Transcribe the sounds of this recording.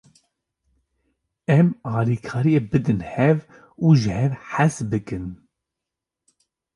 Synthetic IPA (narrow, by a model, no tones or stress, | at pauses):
ɛmɑːliːkʰɑːɾijeːbɨd̪ɨnhɛv | uʒɨhɛvħasbɨkɨn